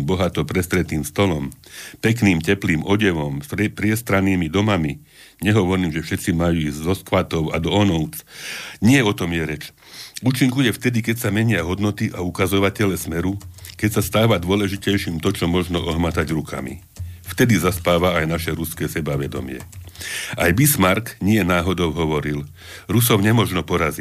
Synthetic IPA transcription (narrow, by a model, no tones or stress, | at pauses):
bɔɦat̪ɔpɾɛst̪ɾɛt̪iːmst̪ɔlɔmpɛkniːmcɛpliːmɔɟɛʋɔmpɾɪɛst̪ɾaniːmid̪ɔmami | ɲɛɦɔʋɔɾiːmʒɛfʃɛt̪t͡simajuizzɔskʋat̪ɔʊa̰d̪ɔɔnɔʊt͡sɲɪɛɔt̪ɔmjɛɾɛt͡ʃ | uːt͡ʃiŋkujɛft̪ɛd̪ikɛcsamɛɲɪaɦɔd̪nɔt̪iʔaukazɔʋacɛlɛsmɛɾukɛcsast̪aːʋad̪ʊɔlɛʒicɛjʃiːmt̪ɔt͡ʃɔmɔʒnɔʔɔɦmat̪aɟɾukʰa̰mḭ | ft̪ɛd̪izaspaːʋaajnaʃɛɾuskɛːsɛbaʋɛd̪ɔ̰mɪɛ̰ | ajbismaɾkɲɪɛnaːɦɔd̪ɔʊɦɔʋɔɾil | ɾusɔʊɲɛmɔʒnɔpɔɾazi